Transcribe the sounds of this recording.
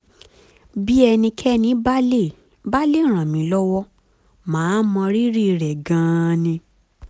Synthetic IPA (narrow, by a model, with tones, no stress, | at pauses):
bi˦ɛ˧nĩ˧kʰɛ˦nĩ˦ba˦le˦˨ | ba˦le˦˨ɾ̃ã˨mĩ˨˦lɔ˦wɔ˦ | mãː˨˦mɔ̃˧ɾi˦ɾi˦˨ɾɛ˨ɡã˨˦˧nĩ˧